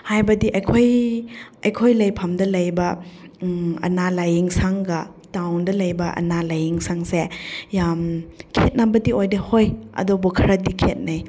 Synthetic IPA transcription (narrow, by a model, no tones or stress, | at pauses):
hajbɐdiʔɐjkʰoj | ɐjkʰojlɐjpʰɐmdɐlɐjbɐ | ɐ̰nalajiŋsaŋɡɐtawndɐlɐjbɐʔɐ̰nalajiŋsaŋsejamkʰet̚nabɐdiojdɐhojɐ̰dobɔkʰɐɾɐdikʰet̚naj